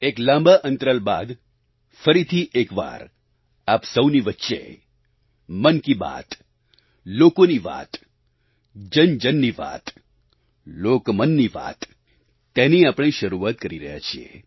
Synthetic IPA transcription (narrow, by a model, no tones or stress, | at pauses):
eklãmbaʔə̃nt̪ɾəlba̰d̪ | fəɾit̪ʰiʔekʋa̰ɾ | apsəwniʋətːʃḛ | mənkiba̰t̪ | lokoniʋa̰t̪ | d͡ʒənd͡ʒənːiʋa̰t̪ | lokmənːiʋa̰t̪ː | eniapɽ̃eʃəɾuat̪̚kəɾiɾəɦja̰t͡ʃʰiḛ